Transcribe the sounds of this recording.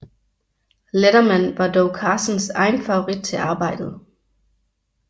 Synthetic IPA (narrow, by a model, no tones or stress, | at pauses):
leɾɐmæn̰ʋɑ̈d̥ɒʊkʰɑ̈ːsən̩sɑ̈ɪnfɑ̈o̝ʁid̥̚t͡sʰe̝ɑ̈ːb̥ɑ̈ɪ̰d̥ð̞̩ˠ